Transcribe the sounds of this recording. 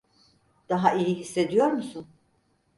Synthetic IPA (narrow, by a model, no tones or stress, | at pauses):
d̪̥aɦaʔijiɦisːe̞d̪ijo̞ɾmusun